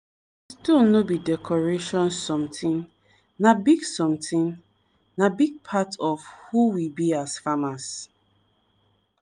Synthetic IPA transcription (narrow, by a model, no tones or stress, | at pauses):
istonobidɛkʰɔɹeʃɔ̃nsɔ̃mtĩn | nabiɡsɔ̃mtʰĩn | nabiɡ̚pʰatɔfhuwibiasfamas